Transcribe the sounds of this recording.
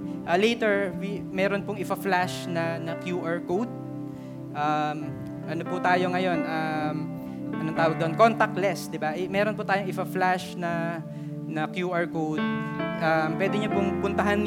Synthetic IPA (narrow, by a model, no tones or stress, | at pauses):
ʔɐlɛjt̪ɛɹvimɛːɾonpʊŋɪpɐflaʃnɐnɐkjuːʔɐɹkowd̪̚ | ʔɐm | ʔɐnopʊt̪aːjoŋɐjo̞nʔɐm | ɐnont̪aːwɐɡ̚d̪ɐonkont̪ɐk̪̚lɛsd̪ɪbaʔɛmɛːɾonpʊt̪aːjoŋɪpaflaʃnɐ | nɐkjuːʔɐɹkowd̪̚ʔɐmpwɛːd̪ɪɲopʊŋpʊnt̪ɐɦan